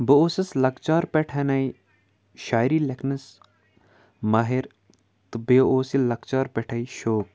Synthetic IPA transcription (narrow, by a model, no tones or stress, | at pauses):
bəoːsɐslɐkt͡ʃaːɾpeʈʰɐnɐi | ʃaːjɾiːlekʰnɐs | mɐɦiɾ | t̪ɨbeoːsilɐkt͡ʃaːɾpeʈʰɐiʃoːk̚